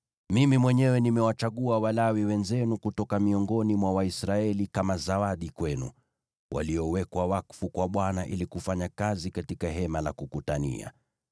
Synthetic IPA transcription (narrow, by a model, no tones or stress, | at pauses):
mimimwɛɲɛwɛnimɛwat͡ʃaɠuawalawiwɛnzɛnukutɔkamiɔŋɡɔnimwawaisɾaɛlikamazawaɗikwɛnṵ | wʔa̰liɔwɛkwawakfukwaɓwanaʔilikufaɲakazikatikaɦɛmalakukutanḭa̰